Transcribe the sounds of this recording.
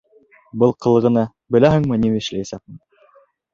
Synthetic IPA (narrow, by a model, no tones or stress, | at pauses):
bɤlˠqɤ̆lˠɤ̆ʁɤ̆nɑ | bɘ̆læɦɘ̆ŋmɤnimɘɘ̆ʃlɘjæsæk̚mɘ